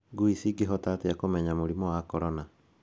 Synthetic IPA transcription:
ɡuisiɡeɦɔtateakomɛɲamoɾimɔwakɔɾɔna

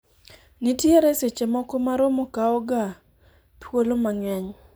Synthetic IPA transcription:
nitjeɾɛset͡ʃemɔkɔmaɾomokaɔɡa | pwolomaɲwɛɲ

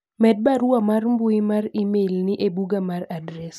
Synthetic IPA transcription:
mɛd̚baɾʊamarmbʊɪmarimelnɪʔebuɡamaradɾɛs

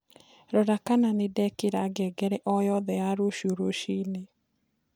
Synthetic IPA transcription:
ɾɔɾakananedɛkeɾaɡɛɡɛɾɛʔɔjɔðɛaɾoʃoɾoʃine

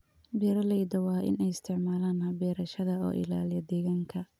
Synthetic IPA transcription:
bɛːɾɐlɛjd̪ɐwɑːʔɪ̰nɛjɪst̪ʰɪʕmaːlaːnhɐbɛːɾɐʃɐðɐɔ̰ːʔɪ̰la̰ːlɪjɐd̪ɛːɣaːŋkʰɐ

